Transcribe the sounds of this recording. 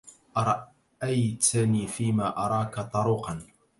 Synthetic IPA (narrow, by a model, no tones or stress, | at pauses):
ʔɑɾˤɑ | ʔajt̪ʰniːfiːmaːʔɑɾˤɑːkat̪ˤɑɾuːqɑn